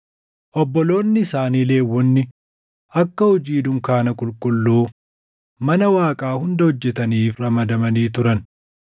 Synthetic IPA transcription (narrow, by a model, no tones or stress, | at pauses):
ʔɔbːɔlo̞ːnːɪɪsaːniːle̞ːwːɔnːɪ | ʔɐkːɐhɔd͡ʒiːd̪ʊŋkaːnɐkʼʊlkʼʊlːuː | mɐnɐwaːkʼaːhʊnd̪ɐhɔd͡ʒːɛt̪ɐniːfrɐmɐd̪ɐmɐniːt̪ʊɾɐn